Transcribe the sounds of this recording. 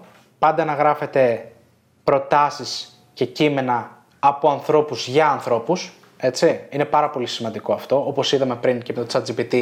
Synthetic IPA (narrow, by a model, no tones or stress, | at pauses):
pɐnd̪ɐnɐɣɾɐfe̞t̪e̞ | pɾo̞t̪ɐsis | ce̞cime̞nɐː | po̞ɐnθɾo̞puzʝɐːnθɾo̞pus | e̞t͡siine̞pɐɾɐpo̞lisimɐnd̪iko̞ɐft̪o̞opo̞siðɐme̞pɾiŋceme̞t̪ot͡sɐd͡zipit̪i